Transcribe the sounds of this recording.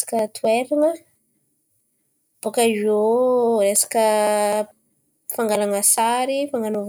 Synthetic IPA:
ḁkət̪ʰweɾinə | b̥okaʒoɾesḁkə | faŋɡalaŋəsaɾifaŋɡanov

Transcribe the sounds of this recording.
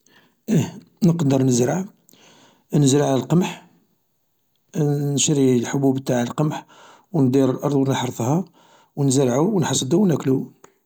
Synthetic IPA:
ʔi | nəqd̪əɾˤnəzɾaʕ | nəzɾaʕlælqəmħ | nʃɾilħobubt̪ːaʕəlqəmħ | wnd̪iɾlʔɑɾˤd̪ˤunəħɾfˤhɑ | wnzəɾʕuwnħɑsˤd̪uwnæklu

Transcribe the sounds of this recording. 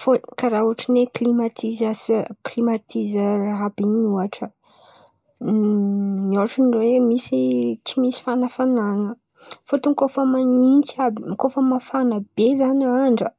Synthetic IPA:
fokaɾaɦuaʈ͡ʂəneklimat̪ʰizasklimat̪ʰizəraɦabinuaʈ͡ʂə | mioaʈ͡ʂəniemisit͡ʃimisi̥fanafananə | fot̪uŋkofəmanint͡sabikofəmafanabezanaɳɖ͡ʐə

